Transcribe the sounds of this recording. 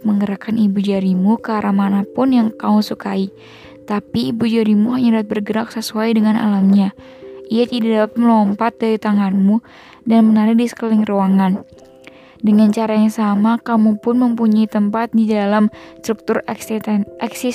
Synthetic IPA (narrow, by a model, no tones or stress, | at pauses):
məŋɡəɾakanibud͡ʒaɾimukːɾamanapʊnjaŋkausukai | t̪apiːbud͡ʒaɾimuɦaɲadat̪̚bərɡəɾak̚səsuajdəŋanʔa̰lamɲa | ʔijat̪idadapat̪̚məlɔmpat̪̚daɾit̪aŋanmu | danmənaɾɪk̚disə̥kəlɪŋroaŋan | dəŋant͡ʃaɾajaŋsamakamupʊnməmpuɲait̪əmpat̪̚didalamst̪ɾuk̚t̪ʊr | ɛksi